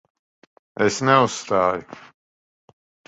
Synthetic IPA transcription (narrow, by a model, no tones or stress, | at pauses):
ɛsnɛusst̪aːjʊ